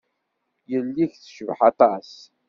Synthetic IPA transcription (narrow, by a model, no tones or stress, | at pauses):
jəlːiçθʃəvħat̪ˤɑs